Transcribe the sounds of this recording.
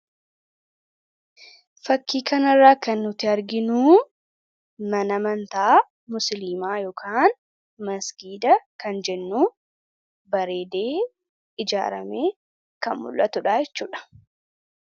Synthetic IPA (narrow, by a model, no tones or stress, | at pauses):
fɐkːiːkɐnɐrːaːkɐnːʊt̪ɪɐɾɡɪnuː | mɐnɐmɐnt̪aː | mʊsliːmaːjɔːkʰaːn | mɐsɡiːd̪ɐkɐnd͡ʒɛnːuː | bɐɾe̞ːd̪eː | ɪd͡ʒa̰ːɾɐmeː | kɐnmʊ̰lʔɐt̪ʊᶑaːjɛt͡ʃːuːᶑɐ̥